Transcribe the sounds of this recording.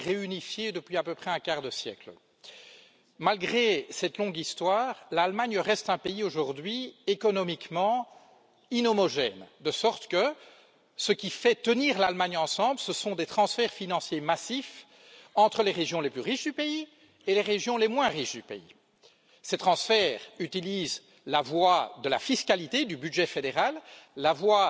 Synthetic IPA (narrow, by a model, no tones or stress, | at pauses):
ʁeynifjed̪əpɥiapøpχɛɛ̃kaʁd̪əsjɛ̰kl | malɡʁesɛt̪lɔ̃ɡist̪waːʁlalmaɲʁɛst̪ɛ̃peioʒuʁd̪ɥiekɔnɔmikmɑ̃ | inɔmɔʒɛ̰ːnd̪əsɔʁt̪kə | səkʲifɛt̪əniːʁlalmaɲɑ̃sɑ̃blsəsɔ̃d̪et̪χɑ̃sfɛʁfinɑ̃sjemasif | ɑ̃t̪χəleʁeʒjɔ̃leplyʁiʃd̪ypei | eleʁeʒjɔ̃lemwɛ̃ʁiʃd̪ypḛḭ | sɛt̪χɑ̃sfɛːʁyt̪iliːz | lavwad̪əla̰fiskalit̪ed̪ybyd̪ʒɛfed̪eʁalːavwa